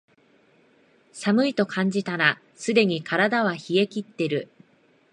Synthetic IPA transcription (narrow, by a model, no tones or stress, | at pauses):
samɯ̟it̪o̞kʰãɲ̟d͡ʑit̪ana | sɨd̪e̞ɲ̟ikʰaɾad̪aβaçie̞kʲit̪ːe̞ɾɯ̟